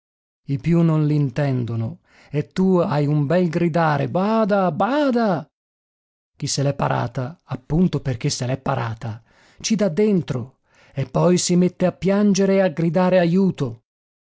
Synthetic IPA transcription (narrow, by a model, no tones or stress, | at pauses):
ipjunːonlint̪ɛnd̪ono | et̪ːuajumbɛlɡɾid̪aːɾebaːd̪abaːd̪a | k̟isːelɛpːa̰ɾʔa̰ːt̪aːpːunt̪operk̟esːelɛpːaɾa̰ːt̪a | t͡ʃid̪ad̪ːent̪ɾo | epːɔjsimet̪ːeapːjand͡ʒeɾeaɡɾid̪aːɾeajuːt̪o